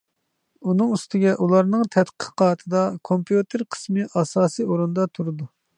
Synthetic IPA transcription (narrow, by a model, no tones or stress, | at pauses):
unɨŋyst̪ɪɡʲɛʔulˠɑɾnɨŋt̪ʰɛt̪qʰəqʰɑːt̪ʰɨd̪ɑkʰompjut̪ʰɨɾqʰə̥smɨʔɑsɑːsijoɾund̪ɑt̪ʰuɾɨd̪u